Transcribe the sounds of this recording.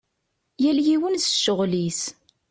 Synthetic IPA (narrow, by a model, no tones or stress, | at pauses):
jæljiwənsə̥ʃːəʁlis